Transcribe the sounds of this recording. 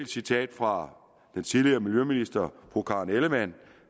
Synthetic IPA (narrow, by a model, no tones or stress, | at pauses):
sit͡sʰɛ̰ːd̥fʁɑ̈ | d̥ent͡sʰiðˠliɐːmiljøminisd̥ɐb̥ʰʁukʰɑ̈ːneləmæn̰